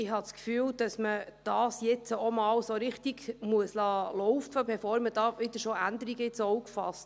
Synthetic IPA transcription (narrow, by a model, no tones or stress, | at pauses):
ɪhɦɑskfyːld̥ɑsməd̥ɑːsjɪt͡səomɑːwsoɾɪχt̪iɡmuəslɑːlɔʊfəbɛfoːɾməd̥ɑːʋɪd̥̪əɾʃoʔænd̪əɾiɡəɪt͡soukfɑ̰st